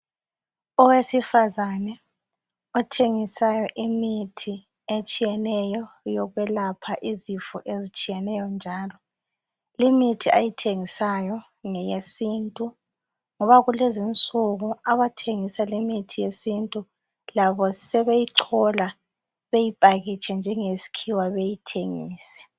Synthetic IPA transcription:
ɔwesifazanɛ | ɔtʰeŋisajɔʔimitʰi | et͡ʃʼijɛnɛjɔ | jɔɣwɛlapʰaʔizifuʔezit͡ʃʼijɛnɛjɔnd͡ʒʱaːlɔ | limitʰiajitʰeŋisajɔ | ŋɛjesintʼu | ŋɔβaɣulezint͡sʼuɣuaβatʰeŋisalimitʰijesintʼu | laβɔsɛβejiǀʰɔla | βejipʼaɣit͡ʃʰɛnd͡ʒʱɛŋesi̥kʰiwaβejitʰeŋḭːsɛ̥

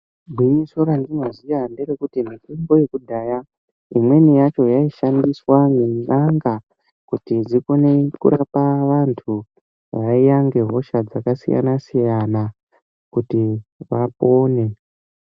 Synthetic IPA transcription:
bʱwiɲisoɾandinozijanderekutimitembo̞je̞kudʱaːja | imwe̞nijat͡ʃo̞jaiʃandiswamenaŋɡa | kutid͡ziko̞ne̞kṵɾapaʋantʰu | ʋaijaŋɡe̞ɦo̞ʃad͡zakasḭja̰nasijana | kutiʋapoːne̞

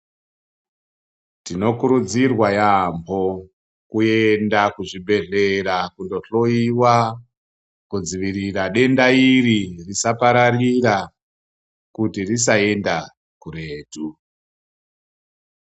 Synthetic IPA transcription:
tino̞kuɾud͡zirwajambʰo̞ | kuendakuʐiɓe̞ɮe̞ɾakundo̞ɬo̞iwa | kud͡ziʋiriraɗe̞ndairirisapaɾarira | kutirisae̞nda | kureːdu

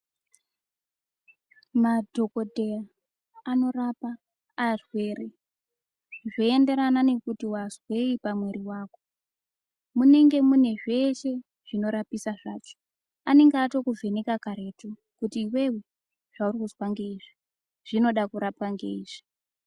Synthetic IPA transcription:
madʱo̞ko̞dʱe̞jaː | no̞rapaː | rwe̞ːɾe | ʐoende̞ɾanane̞kutiwazwe̞ipamwe̞ɾiwaːko̞ | mune̞ŋɡe̞mune̞ʐe̞ʃe̞ | ʐ̥ino̞ɾapisaʐaːt͡ʃo̥ | ane̞ŋɡaːto̞kuvʱe̞nekakaɾe̞ːto | kutiːwe̞we | ʐ̥aurikuzwaŋɡe̞iʐi | ʐ̥ino̞ɗakuɾap̚aŋɡe̞̰iːʐi̥

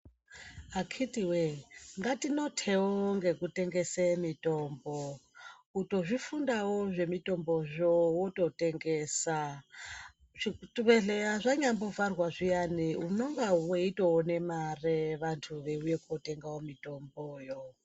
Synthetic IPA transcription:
akʰitʼiweŋɡatinotʰewoŋɡe̞kuteŋɡesemitʼombo | utʼoʐifundawoʐe̞mitʼomboʐowotʼotʼeŋɡeːsa | ʐituβeɮeaʐaɲambovarwaʐijaniunoŋɡaweitʼoːnemareʋantʰuʋeujekʰʼotʼeŋɡaomitʼomboːjo

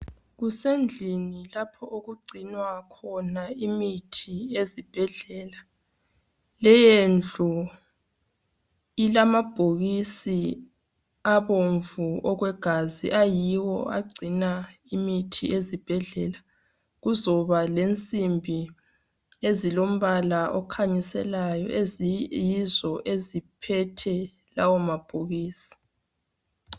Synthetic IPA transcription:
ɣusend͡ɮʱinilapʰɔʔoɣuɡ͡ǀʱinwakʰɔnaimitʰiezib̥ʱɛɮɛːla | lɛjend͡ɮʱu | ilamab̥ʱoɣisi | aβoɱvuɔɣwɛɡ̥ʱazḭʔajiwɔ̰a̰ɡ͡ǀʱinaimitʰiʔezib̥ʱɛɮɛla | ɣuzɔβalent͡sʼimbʱi | ezilom̩βalaʔɔkʰaɲisɛ̰lajɔ̰ʔejizɔʔezipʰɛtʰɛ | lawɔmab̥ʱoɣiːsi̥

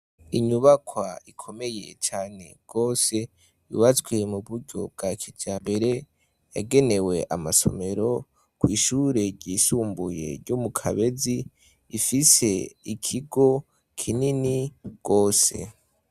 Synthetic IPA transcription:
iɲuβakwaikʰo̞me̞je̞̰t͡ʃaːne̞̰ɡ̥o̞ːse̞ | jṵβat͡sɡwe̞muβuɾɟo̞̰b̚ɡakʰid͡ʒaːmbe̞ɾe̞ | ja̰ɡe̞ne̞we̞ʔamaso̰me̞ɾo̞ | kwiːʃuɾe̞ɾɟiːsuːmbuje̞̰ɾɟomukʰaβe̞zi | ifise̞ikʰiɡo̞ | kʰininiɡ̥o̞ːse̞̰

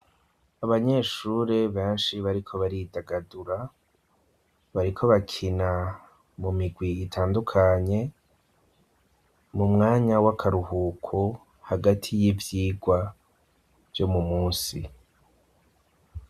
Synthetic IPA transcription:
aβaɲe̞ːʃuːɾeβẽːnʃiβaɾikʰo̞βaɾidaɡaduɾa | βaɾikʰo̞βakʰina | mumiɡwiːtʰaːndukʰaɲe̞ | mumŋaːɲawakʰaɾuhuːkʰo | haɡatʰijivjiːɡwa | v̥jo̞mumuːnsi

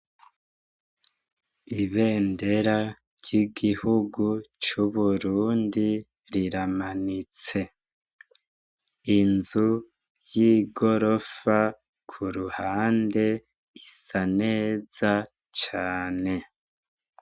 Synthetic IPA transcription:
iβe̞ːnde̞ɾa | ɾɟiɡihuɡut͡ʃuβuɾuːndi | ɾiɾamanit͡se̞ | inzu | jiɡo̞ɾo̞fa | kʰuɾuhaːnde̞ | isaneːz̥a | t͡ʃaːne̞

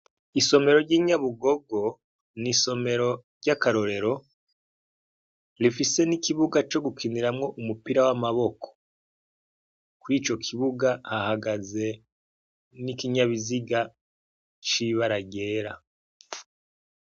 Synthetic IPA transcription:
iso̞me̞ɾoɾɟiːɲaβuɡo̞ɡo̞ | niso̞me̞ɾo̞ɾɟakaɾo̞ɾeɾo̞ | ɾifise̞nikiβuɡat͡ʃo̞ɡukiniɾamŋo̞ʔumupiɾawamaβo̞kʰo̥ | kuɾiːt͡ʃo̞kʰiβuɡahahaɡaze̞ | nikiɲaβiziɡa | t͡ʃiβaɾaɡe̞ːɾa

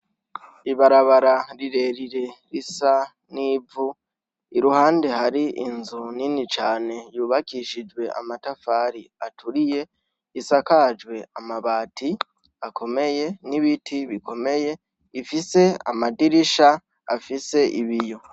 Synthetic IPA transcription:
iβaɾaβaɾaɾiɾe̞ɾiɾe̞ɾisa | niːvu | iɾuhaːnde̞haɾiʔinzuninit͡ʃaːne̞juːβakiʃid͡ʒwe̞ʔa̰matafaːɾiatʰuɾije̞ | isakad͡ʒwe̞amaβaːtʰi | akʰo̞me̞je̞niβitʰiβikʰo̞me̞je̞ | ifise̞a̰madiɾiʃa | a̰fise̞ʔiβijo̞

